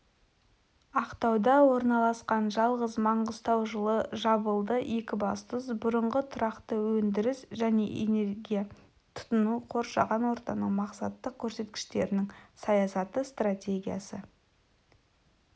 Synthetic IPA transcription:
ɑqt̪ɑwd̪ɑwo̞ɾnɑlˠɑsqɑnʒɑlˠʁəzmɑɴʁəzt̪ɑwʒəlˠəʒɑbəlˠd̪əʔe̞kʲɪbɑst̪əsbʊɾəɴʁət̪ʰʊɾɑqt̪əwɵnd̪ɪɾɪsʒæne̞̰ʔḛne̞ɾɡʲija | t̪ʰʊ̥t̪ʊnuqʰo̞ɾʃɑ̰ʁɑnwo̞ɾt̪ɑnəqmɑqsɑt̪ːəq̚kʲʰɵɾse̞t̪kʲɪ̥ʃt̪e̞ɾɪnɪŋsɑjɑsɑt̪əst̪ratʲe̞ɡʲija̰sə

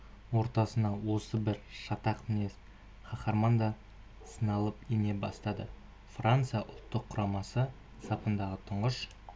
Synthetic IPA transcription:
wo̞ɾt̪ɑsənɑwo̞səbɪɾʃɑt̪ɑqmne | χɑχɑɾmɑnd̪ɑ | sənɑlˠəpine̞bɑ̰st̪ɑd̪ə | frant̪sɨjɑʔʊlˠt̪ːəqʰːʊɾɑmɑsə | sɑpənd̪ɑʁət̪ʰʊɴʁəʃ

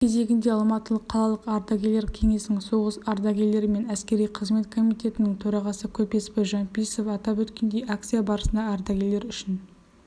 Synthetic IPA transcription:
kʲʰe̞ze̞ɡʲɪnd̪e̞ɑlˠmɑt̪əlˠəqʰːɑlˠɑlˠəqɑɾd̪ɑɡʲele̞ɾkʲʰe̞ŋe̞sɪnɪŋso̞ʁəsɑɾd̪ɑɡʲele̞ɾɪme̞næskʲe̞ɾijqʰəzme̞t̪kʰo̞mijt̪ʲe̞t̪ɪnɪŋt̪ʰɵɾɑʁɑsəkʲʰɵpe̞spɪʒɑnpisofɑt̪ɑpwɵt̪kʲe̞nd̪e̞jʔak̚t̪sijabɑɾəsənd̪ɑːɾd̪ɑɡʲe̞le̞ɾʏʃɪn

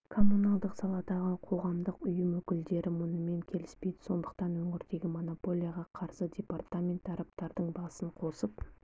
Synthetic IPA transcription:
kʰo̞munɑlˠd̪əqsɑlˠɑd̪ɑʁəqʰo̞ʁɑmd̪əqʊjəmwɵkʲɪld̪e̞ɾɪmʊnəme̞ŋkʲʰe̞lɪspe̞jd̪ɪ̥so̞nd̪əqt̪ɑnwɵŋɪɾd̪e̞ɡʲɪmo̞nopo̞lʲijaʁɑqʰɑɾsədʲe̞part̪amʲe̞nt̪ɑɾɑp̚t̪ɑɾd̪əɴbɑsəɴqʰo̞səp̚

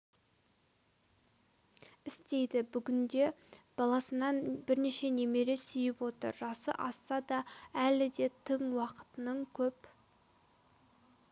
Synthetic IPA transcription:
ɪst̪e̞jd̪ɪbʏɡʲɪnd̪e̞b̥ɑlˠɑsənɑnbɪɾne̞ʃe̞ne̞me̞ɾe̞sʏjɪpwo̞t̪ə̰ɾʒɑsə̰ʔɑsːɑd̪ɑælɪd̪e̞t̪ʰəŋwɑqə̥t̪ənəɴkʲʰɵp

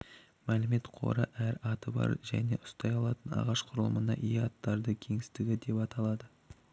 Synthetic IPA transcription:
mælɪme̞t̪qʰo̞̰ɾəʔæɾɑt̪əbɑ̰ɾʒæ̰ne̞̰ʔʊ̥st̪ɑjɑlˠɑt̪ənɑ̰ʁɑʃqʰʊɾəlˠə̰mənɑ̰ʔijɑt̪ːɑɾd̪əkʲʰe̞ŋɪst̪ɪɡʲɪd̪e̞pɑt̪ɑlˠɑd̪ə

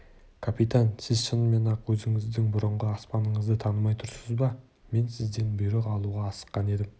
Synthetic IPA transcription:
kʰapit̪ansɪzʃənme̞nɑqwɵzɪŋɪzd̪ɪŋbʊɾəɴʁəɑspɑnəɴəzd̪ət̪ʰɑnəmɑjt̪ʰʊɾsəzbɑ | me̞nsɪzd̪e̞nbʏjɾeqɑlˠuʁɑːsə̥qːɑne̞d̪ɪm

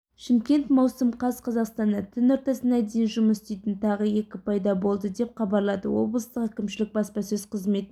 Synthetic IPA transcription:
ʃɪmkʲe̞nt̪mɑwsəmqʰɑzqʰɑzɑqst̪ɑnd̪ɑt̪ʰɪnoɾt̪ɑsənɑd̪e̞jɪnʒʊməsʏst̪e̞jt̪ɪnt̪ʰɑʁəje̞kʲɪpʰɑjd̪ɑbo̞lˠd̪əd̪e̞p̚qʰɑbɑɾlˠɑd̪ə̰wo̞̰blˠəst̪əqækʲɪmʃɪlɪk̚bɑspɑsɵz̥qʰəzme̞t̪

